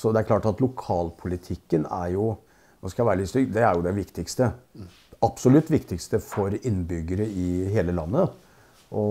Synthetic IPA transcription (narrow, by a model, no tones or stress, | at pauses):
sɔd̪ɛæɾkʰlɑːʈɑt̪lʊkʰɑːlpʰʊlɪt̪ʰɪkːənæ̰ɾjʊ | ʋɑskɑʋæːɾəlɪst̪ʏd̪ɛæɾjʊd̪ɛʋɪkt̪ɪkst̪ə | ɑpsɔlʉt̪ːʋɪkt̪ɪkst̪əfɔɾɪnːbʏɡːəɾəɪɦeːləlɑ̰nːə | ʔɔ